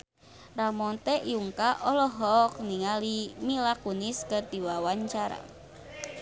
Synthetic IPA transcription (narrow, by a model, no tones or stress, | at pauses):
ramɔnt̪ɛʔjuŋkaʔɔlɔɦɔk̚niŋalimilakuniskərd̪iwawaɲt͡ʃaɾa̰